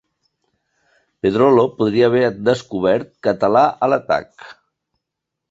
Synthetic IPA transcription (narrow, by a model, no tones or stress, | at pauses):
peðɾolopuð̞ɾiəːβ̞ɛɾd̪əskuβ̞ɛɾt̪̚kət̪əlaʔələt̪a̰k